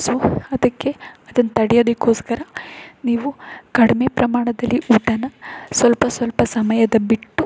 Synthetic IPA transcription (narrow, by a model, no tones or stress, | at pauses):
soɐd̪ɐkːe̞ɐd̪ɐnːɐt̪ɐɽɛjo̞ːd̪ekːoːskɐɾɐniːʋukɐɽime̞pɾɐmaːɳɐd̪ɐlːiʔuːʈɐnɐsʋɐlpɐsʋɐlpɐsɐmɐjɐd̪ɐbiʈːu